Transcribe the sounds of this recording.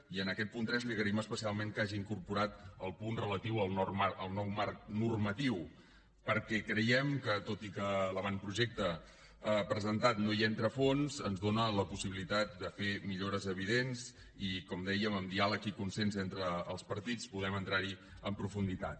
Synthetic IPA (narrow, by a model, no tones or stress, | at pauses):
iənəkɛt̪̚punt̪ɾɛzliɣəɾiməspəsialˠmeŋkaʒiːŋkuɾpuɾat̪əlˠpunrələt̪iwəlˠnɔrmaʔəlˠnɔwmark̚nurmət̪iw | pəɾkɛkɾəjɛmkət̪ot̪ikələβanpɾuʒɛk̚t̪ə | əpɾəzənt̪at̪nojɛnt̪ɾəfonzənzðonələpusiβilit̪at̪̚d̪əfemiʎoɾəzəβiðenz | ikɔmd̪ɛjəməmd̪ialəkikunsɛnzent̪ɾəːlˠspəɾt̪it͡spuðɛmənt̪ɾaɾi | əmpɾufund̪it̪a̰t̪